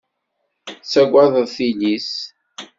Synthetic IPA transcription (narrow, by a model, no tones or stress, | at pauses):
sæɡʷaðˤəðˤθilis